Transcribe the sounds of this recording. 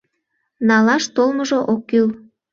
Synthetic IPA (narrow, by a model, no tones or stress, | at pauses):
nɑlɑʃt̪olməʒoʔokːyl